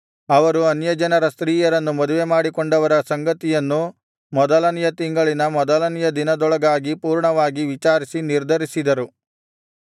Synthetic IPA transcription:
ɐʋɐɾuɐnjɐd͡ʒɐnɐɾɐst̪ɾiːjɐɾɐnːumɐd̪uʋemaːɽikɔɳɖɐʋɐɾɐsɐŋɡɐt̪ijɐnːu | mɔd̪ɐlɐnijɐt̪iŋɡɐɭinɐmɔd̪ɐlɐnijɐd̪inɐd̪ɔɭɐɡaːɡipuːɾɳɐʋaːɡiʋit͡ʃaːɾisiniɾd̪ʱɐɾisid̪ɐɾu

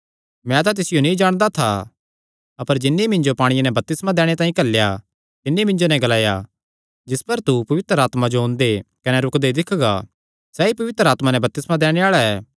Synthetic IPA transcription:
mɛ̃t̪ãt̪̬ɪsɪjonĩd͡ʒaːɽ̃d̪at̪ʰa | ɐpəɾd͡ʒɪnːemɪ̃ɲd͡ʒopaːɽ̃ɪjanɛ̃bɐp̚t̪ɪsmãd̪ɛːɽ̃et̪ãːĩkɐlːja | t̪ɪnːimɪ̃nd͡ʒonɛ̃ɡɐlaːja | d͡ʒɪspəɾt̪upɐʋɪt̪ɾəaːt̪mad͡ʒoɦõnd̪ekɐnɛɾʊkd̪ed̪ɪkʰɡa̰ | sɛːipɐʋɪt̪ɾəaːt̪manɛ̃bɐp̚t̪ɪsmãd̪ɛːɽ̃eaːɭaɛː

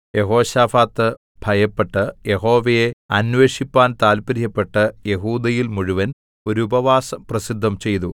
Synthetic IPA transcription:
je̞ɦo̞ːɕaːfaːt̪ːɨ | b̥ʱɐjɐpːe̞ʈːɨje̞ɦo̞ːʋɐjeɐnʋe̞ːʂipːaːnt̪aːlpɐɾjɐpːe̞ʈːɨjeɦuːd̪ɐjilmuɻuʋɐn | o̞ɾuubɐʋaːsɐprɐsid̪ʱːɐmt͡ɕe̞jt̪̬u

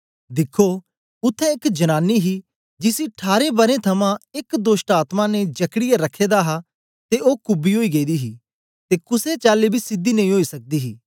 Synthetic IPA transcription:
d̪ɪkʰːo | ʊt̪ʰːɛ̃ɪkd͡ʒɐnaːnːiɦi | d͡ʒɪsiʈʰaːɾebɐɾẽt̪ʰɐmãɪkd̪oːsʈaːt̪mãnẽd͡ʒɐkɽɪjaɾɐkʰːeːd̪aɦa | t̪eʔoːkʊbiɦoːiɡeːd̪iɦi | t̪ekʊset͡ʃaːlebʱisɪd̪ːinɐ̃ĩɦoːisɐk̚d̪iɦiː

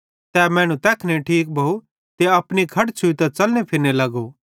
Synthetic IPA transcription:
t̪ɛːmɛ̃ːɽ̃ũt̪ɛːkʰneʈʰiːk̚bʱɐu | t̪eɐpñikʰɐʈt͡ʃʰʊit̪at͡sɐlnepʰɪɾnelɐɡo

